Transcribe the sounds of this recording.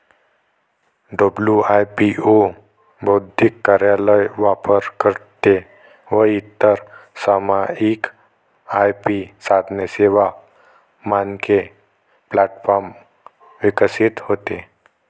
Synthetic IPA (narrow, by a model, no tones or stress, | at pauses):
ɖəbljuajpio | bəwd̪ʱikːaɾjaləjʋapəɾkəɾt̪e | ʋəit̪ːəɾsamaik | ajpisad̪neseʋa | manke | plaʈfɔɾm | ʋikəsit̪hot̪e